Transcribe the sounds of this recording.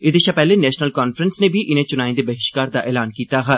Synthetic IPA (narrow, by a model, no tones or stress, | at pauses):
ɪd̪eʃapɛːlenɛːʃnəlkaːnfɾənsnẽːbʱiʔɪnẽːt͡ʃʊnaːĩd̪eːbəɦɪʃkaːɾd̪aːʔɛːlaːnkiːt̪aːɦɛː